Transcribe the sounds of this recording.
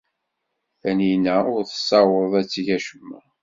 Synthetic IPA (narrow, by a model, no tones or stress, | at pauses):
θæninæʊɾθə̥sːɑwəðˤæt͡sːiʝæʃəmːæ